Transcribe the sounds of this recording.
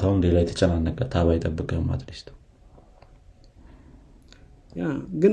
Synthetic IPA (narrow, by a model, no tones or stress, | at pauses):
t̪ʰawmd̪elajɛt̪ʰə̥t͡ʃʼɛnanːəkʼːət̪ʰaβajɛt̪ʼəbːɨkʼəhɨma̰t̪lest̪ʰ | jaɡɨ